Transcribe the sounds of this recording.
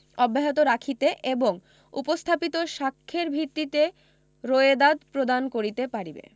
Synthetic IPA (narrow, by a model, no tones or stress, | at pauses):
ɔbːaɦot̪̬oɾakʰit̪eʔeboŋ | ṵpost̪ʰapit̪oʃakʰːeɾbʱiɾt̪ːit̪e | ɾoed̪ad̪pɾod̪ankoɾit̪epaɾibḛ